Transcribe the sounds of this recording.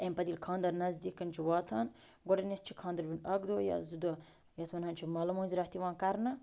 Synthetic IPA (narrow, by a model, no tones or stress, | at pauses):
empɐd̪ilkʰãːnd̪ɐɾnɐzd̪ikːɐnt͡ʃʰiwaːt̪ʰaːn | ɡoɖɐnet̪̚t͡ʃʰikʰãːnd̪ɐɾbinɐɡd̪oːjɐ̰zud̪o | jɐt̪ʰʋɐnhɐnt͡ʃʰimɐlɐmũːnziɾɐht̪iʋãːnkɐɾnɐ